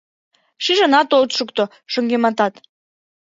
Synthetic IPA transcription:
ʃiʒə̆nɑt̪olt̪ʃukt̪o | ʃə̆ŋɡemɑt̪ɑt̪

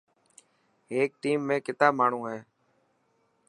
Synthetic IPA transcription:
eːk̚ʈiːmːẽːkɪt̪aːbmaːɳ̤ũːɦɛː

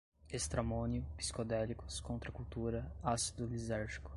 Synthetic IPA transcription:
est̪ɾamõniʊpi̥skod̪ɛlikʊ̥skõnt̪ɾɐkuwt̪uɾɐasid̪ʊlizɛɾʒi̥kʊ̥

